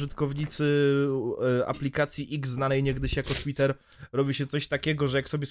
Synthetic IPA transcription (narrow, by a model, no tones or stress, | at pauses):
ʐɘt̪kɔvɲit̪sɘ | a̰plʲikat̪sʲjiʔiɡzːnanɛjɲɛɡd̪ɘɕjakɔt̪wʲit̪ɛɾ | ɾɔbʲiɕɛt̪sɔɕt̪akʲɛɡɔʐɛjaksɔbʲjɛs